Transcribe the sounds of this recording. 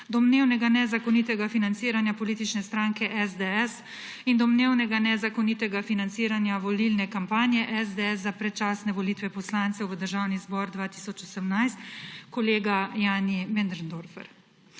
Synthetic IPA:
d̪ɔmneːwnɛɡanɛzakɔnit̪ɛɡafinant̪siːɾanjapɔliːt̪it͡ʃnɛst̪ɾaːŋkɛʔɛzd̪ɛɛs | ind̪ɔmneːwnɛɡanɛzakɔnit̪ɛɡafinant̪siːɾanjaʋɔlilnɛkampaːnjɛʔɛzd̪eɛszapɾɛt̪t͡ʃaːsnɛʋɔliːt̪ʋɛpɔslant̪sɛwʋəd̪əɾʒawnizbɔɾd̪ʋaːt̪i̥sɔt͡ʃɔsəmnajst̪kɔleːɡajaːnimɛnd̪ɾnd̪oɾfɛ̰ɾ

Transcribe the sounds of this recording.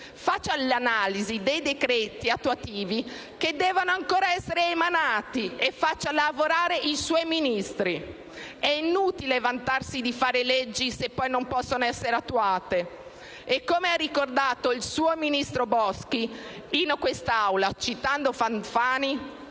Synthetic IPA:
fat͡ʃːalanaːlizid̪ejd̪ekɾɛːt̪iat̪ːuat̪iːvi | k̟ed̪ːɛːvonoaŋkoːɾaɛsːeɾeːmanaːt̪iefat͡ʃːalavoɾaːɾeʔiswɔjminist̪ɾi | ɛinuːt̪ilevant̪arsid̪ifaːɾeled͡ʒːisepːɔjnompɔsːonoɛsːeɾeat̪ːuaːt̪e | ekːomearikord̪aːt̪oilsuːominist̪ɾobɔski | inokwest̪aawlat͡ʃit̪and̪ofanfaːni

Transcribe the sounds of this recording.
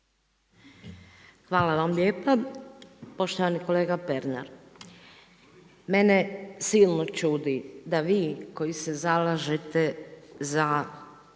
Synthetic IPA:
xʋaːlaʋamlʲeːpa | po̞ʃt̪oʋaniko̞leːɡapeɾna̰ɾ | menesilˠnot͡ʃuːd̪id̪aʋiːko̞jisezalaʒet̪eza

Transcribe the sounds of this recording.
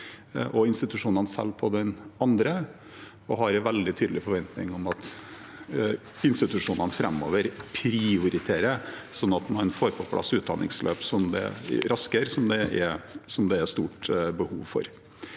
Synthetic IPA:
ʔɔɪnst̪ɪt̪ʉʂuːnɑnsɛ̰lːpʰɔd̪ɛnɑnd̪ɾə | ɔɦɑɾʋɛld̪ɪt̪ʰyːd̪əlɪfɔɾʋɛnt̪nɪ̰ŋɔmɑt̪ | ɪnst̪ɪt̪ʉʂuːnɑnfɾɛmːo̰ːʋəɾpʰɾɪʊɾɪt̪ʰeːɾəsɔnːɑt̪mɑnfoːɾpʰɔpʰlɑ̰sʉːt̪̚d̪ɑ̰nɪ̰ŋslʔø̰ːpsɔmd̪ɛ̰ɾʔɑskəɾsɔmd̪ɛʔɛsɔmd̪ɛæst̪uːʈbəhuːʋfɔ̰ɾ

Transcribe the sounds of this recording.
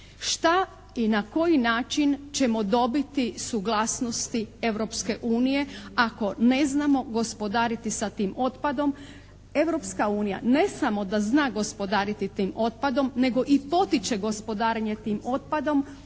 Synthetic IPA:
ʃt̪a | inako̞jinaːt͡ʃint͡ɕe̞mo̞d̪o̞bit̪isuɡlˠasno̞st̪ie̞ʋɾo̞pske̞ʔuːnije̞ako̞ne̞znamo̞ɡo̞spo̞d̪aːɾit̪isat̪iːmo̞t̪pad̪o̞m | e̞ʋɾo̞pskauːnija̰ne̞samo̞d̪aznaːɡo̞spo̞d̪aːɾit̪it̪iːmo̞t̪̚pad̪o̞mne̞ɡo̞ʔipo̞t̪it͡ʃe̞ɡo̞spo̞d̪aːɾeɲe̞t̪iːmo̞t̪̚pad̪o̞m

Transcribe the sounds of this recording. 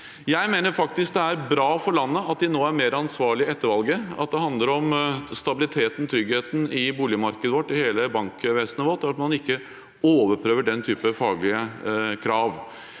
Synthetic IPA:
jæɪmeːnəɾfɑk̚t̪ɪsk̚d̪ɛæɾbɾɑːfɔɾɭɑnːəɑt̪̚d̪ɪnoːæɾmeːɾɑnsʋɑːɭɪəɛt̪ːəɾʋɑlɡəɑ̰t̪̚d̪ɛɦɑnd̪ləɾɔmst̪ɑbɪlɪt̪ʰeːt̪ənt̪ʰɾʏɡheːt̪n̩ɪbuːlɪəmɑɾkəd̪əʋɔʈːɪheːləbɑŋkʋeːsənəʋɔʈ̪ːæɾɑt̪mɑnɪkːə | oːʋəɾpʰɾøːʋəɖɛnt̪ʰyːpəfɑːɡlɪəkʰɾɑːʋ

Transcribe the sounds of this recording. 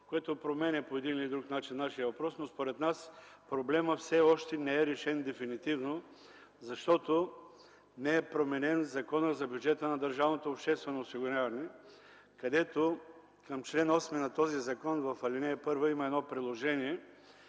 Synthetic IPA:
koɛt̪opɾomɛnʲɛpoɛd̪inilid̪ɾuknat͡ʃinːaʃijəvɐpɾɔsnospoɾɛt̪naspɾoblɛməfsɛɔʃt̪ɛnɛɛɾɛʃɛnd̪ɛfinit̪ivno | zɐʃt̪ɔt̪o | nɛɛpɾomɛnɛnzɐkɔnəzɐbʲjud͡ʒɛt̪ənɐd̪əɾʒavnot̪oːpʃt̪ɛst̪vɛnoːsiɡʊɾʲavɐnɛ | kɐd̪ɛt̪o | kɐmt͡ʃlɛnɔsminɐt̪ɔzizɐkɔnvɐfɐlʲinɛɛpɤɾvoimɐɛd̪nɔpɾidlˠoʒɛniɛ

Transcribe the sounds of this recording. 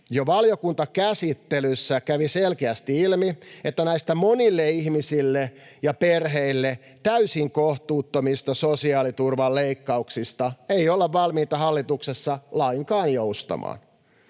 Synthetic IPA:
joʋɑljokunt̪ɑkæsit̪ːelysːækæʋiselkeæst̪iilmiet̪ːænæist̪æmonilːeihmisilːejɑperɦeilːe | t̪æysiŋkoht̪uːt̪ːomist̪ɑsosiɑːlit̪urʋɑlleikːɑuksist̪ɑeiolːeʋʋɑlmiːt̪ɑɦɑlːit̪uksesːɑlɑiŋkɑːnjoust̪ɑ̰mɑ̰ːn

